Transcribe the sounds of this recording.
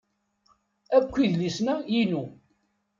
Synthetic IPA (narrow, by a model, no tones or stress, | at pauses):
ækʷːiðlisnæjinu